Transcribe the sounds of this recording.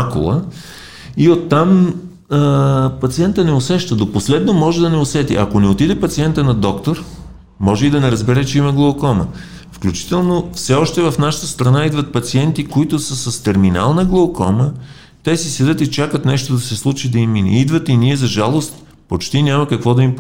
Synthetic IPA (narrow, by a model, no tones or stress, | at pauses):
akʊ̰lˠə | iot̪ːam | pɐt̪siɛnt̪ənɛosɛʃt̪əd̪oposlɛd̪nomɔʒɛd̪ɐnɛosɛt̪ḭʔɐ̰konɛot̪id̪ɛpɐt̪siɛnt̪ənɐd̪ɔkt̪oɾ | mɔʒɛid̪ɐnɛɾɐzbɛɾɛt͡ʃɛimɐɡlˠɐokɔmə̰ | fklʲut͡ʃi̥t̪ɛlˠnofsɛɔʃt̪ɛvɐfnaʃə̥t̪əst̪ɾɐnaid̪vɐt̪̚pɐt̪siɛnt̪ikoit̪ʊsəsəst̪ɛɾmina̰lˠnəɡlˠookɔ̰mə | t̪ɛsisɛd̪ɤt̪it͡ʃakət̪nɛʃt̪od̪ɐsɛslˠut͡ʃid̪ɐiminḭid̪vət̪iniɛzɐʒalˠost̪ | pot͡ʃt̪inʲamɐkɐkvɔd̪ɐimp